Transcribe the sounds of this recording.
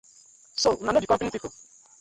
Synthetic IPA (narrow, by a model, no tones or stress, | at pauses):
sounaodikɔ̃mpenĩpipo